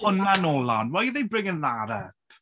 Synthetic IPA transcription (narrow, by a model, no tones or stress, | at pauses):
ənanɔlˠanwajðejbrɪŋənðaɾə̰